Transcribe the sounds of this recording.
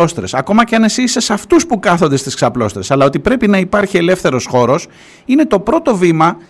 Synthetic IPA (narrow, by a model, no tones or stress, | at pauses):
o̞st̪ɾe̞sɐko̞mɐceɐne̞sisesɐft̪uspukɐθond̪e̞st̪isksɐplo̞st̪ɾe̞sɐlɐo̞t̪ipɾe̞pinɐipɐɾçie̞le̞fθe̞ɾo̞sxo̞ɾo̞s | ine̞t̪o̞pɾo̞t̪o̞vimɐ